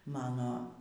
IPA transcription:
ˈmɑːnoː

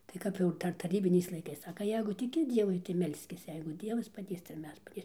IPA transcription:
tɐɪ ˈkɐp jɛʊ ˈdɐr tɐˈrʲiːbʲɪnʲɛɪs lˠɐɪˈkɐɪs ˈsɑːkɐ ˈjɛɪɡʊ tʲɪˈkʲɪ ˈdʲiɛʋʊɪ tɐɪ ˈmʲɛlʲsʲkʲɪs jɛɪ ˈdʲiɛʋɐs pɐˈdʲeːs tɐɪ ɪr ˈmʲɛs pɐˈdʲeːsʲɪm

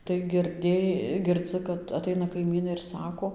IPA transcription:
tɐɪ ɡʲɪrʲˈdʲeː ɡʲɪrˈd͡zɨ kɐt ɐˈtɐɪnɐ kɐɪˈmʲiːnɐɪ ɪr ˈsɑːkoː

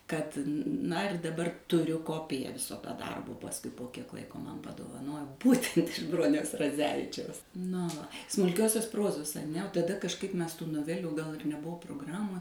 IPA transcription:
ˈkɐt ˈnɐ ɪr dɐˈbɐr tʊˈrʲʊ ˈkoːpʲɪjɛ ˈʋʲɪsoː tɐ ˈdɐrboː pɐsˈkʊɪ poː ˈkʲiɛk ˈlˠɐɪkoː ˈmɐn pɐdoːʋɐˈnoːjoː ˈbuːtʲɛnt ɪʃ ˈbroːnʲɛʊs rɐˈd͡zʲæːʋʲɪt͡ʃʲɛʊs noː ʋɐ smʊlʲˈkʲoːsʲoːs ˈproːzoːs ɐˈnʲɛ oː tɐˈdɐ kɐʃˈkɐɪp ˈmʲɛs tuː noːˈʋʲæːlʲuː ɡɐlˠ ɪr nʲɛˈbʊʋoː proːɡˈrɑːmoː

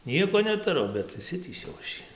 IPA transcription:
ˈnʲiɛkoː nʲɛtʊˈrʊ bʲɛt ɪʃʲˈsʲɪtʲiːsʲɛʊ ɐʃ ˈjiː

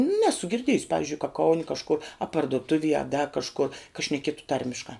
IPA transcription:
ˈnʲæːsʊ ɡʲɪrʲˈdʲiɛjʊsʲɪ ˈpɑːʋʲɪzʲd͡ʒʲʊɪ kɐ ˈkɐʊnʲɪ kɐʃˈkʊr ɐ pɐrdʊˈtʊʋʲiɛ ɐ dɐ kɐʃˈkʊr kɐ ʃʲnʲɛˈkʲiɛtʊ ˈtɐrʲmʲɪʃkɑː

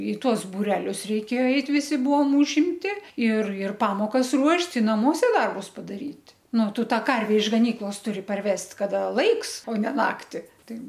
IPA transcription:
ɪ ˈtuɔs bʊˈrʲæːlʲʊs rʲɛɪˈkʲeːjoː ˈɛɪt ʋʲɪsʲɪ ˈbʊʋoːm ʊʒʲɪmʲˈtʲɪ ɪr ɪr ˈpɑːmoːkɐs ˈruɔʃʲtʲ ɪ nɐˈmuɔsʲɛ ˈdɐrbʊs pɐdɐˈrʲiːtʲ nʊ ˈtʊ ˈtɑː ˈkɐrʲʋʲɛ ɪʃ ɡɐˈnʲiːklˠoːs ˈtʊrʲɪ pɐrʲˈʋʲɛsʲtʲ ˈkɑːdɐ ˈlˠɐɪks oː nʲɛ ˈnɑːktʲɪ ˈtɐɪ

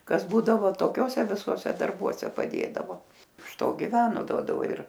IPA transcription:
ˈkɐs ˈbuːdɐʋoː toːˈkʲoːsʲɛ ʋʲɪˈsuɔsʲɛ dɐrˈbuɔsʲɛ pɐˈdʲeːdɐʋoː ɪʃ ˈtoː ɡʲɪˈʋʲæːnoː ˈduɔdɐʋoː ɪr

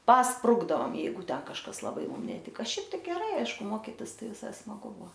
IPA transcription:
pɐsˈprʊɡdɐoːm ˈjɛɪɡʊ ˈtʲɛn kɐʃˈkɐs lˠɐˈbɐɪ ˈmʊm nʲɛˈtʲɪkɐ ˈʃʲɛɪp tɐɪ ɡʲɛˈrɐɪ ˈɐɪʃkʊ ˈmoːkʲɪtʲɪs ˈtɐɪ ʋʲɪˈsɐɪ smɐˈɡʊ ˈbuɔ

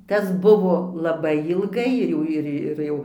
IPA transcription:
ˈtɐs ˈbʊʋoː lˠɐˈbɐɪ ɪlˠˈɡɐɪ ɪr ˈjɛʊ ɪr ɪr ˈjɛʊ

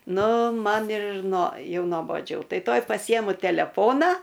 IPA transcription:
ˈnʊ ˈmɐn ɪr nuɔ ˈjɛʊ noːboːˈd͡ʒʲɛʊ ˈtɐɪ ˈtuɔj pɐˈsʲɪjɛmʊ tʲɛlʲɛˈfoːnɐ

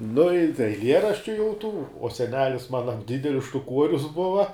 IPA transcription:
nʊ ɪ tɐɪ ɛɪˈlʲiɛrɐʃʲt͡ʃʲʊ jɛʊ ˈtuː oː sʲɛˈnʲæːlʲɪs ˈmɑːnɐ ˈdʲɪdʲɛlʲɪs ʃtʊˈkuɔrʲʊs ˈbʊʋɐ

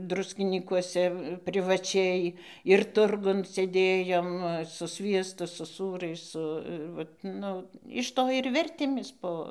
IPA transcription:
ˈdrʊsʲkʲɪnʲiːkuɔsʲɛ pʲrʲɪʋɐˈt͡ʃʲɛɪ ɪr ˈtʊrɡʊn sʲeːˈdʲeːjoːm sʊ ˈsʲʋʲiɛstʊ sʊ ˈsuːrɐɪs ˈsʊ ɪr ˈʋɐt ˈnʊ ɪʃ ˈtoː ɪr ˈʋʲɛrʲtʲeːmʲeːs ˈpoː

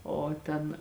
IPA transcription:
ˈoː ˈtʲɛn

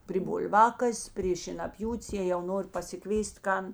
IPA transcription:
pʲrʲɪ bʊlˠˈʋɑːkɐsʲ pʲrʲeː ʃʲeːnɐˈpʲjuːtʲs jeː jɛʊ ˈnoːrʲɪ pɐsʲɪˈkʋʲeːsʲtʲ ˈkɐn

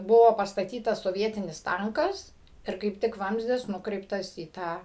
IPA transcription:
ˈbʊʋoː pɐstɐˈtʲiːtɐs soːˈʋʲiɛtʲɪnʲɪs ˈtɐŋkɐs ɪr kɐɪp ˈtʲɪk ˈʋɐmʲzʲdʲɪs nʊˈkrʲɛɪptɐs iː ˈtɑː

